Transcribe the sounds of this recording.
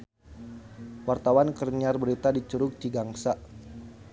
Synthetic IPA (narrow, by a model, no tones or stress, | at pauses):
wart̪awankərɲarbəɾit̪adit͡ʃuɾʊk̚diɡaŋsa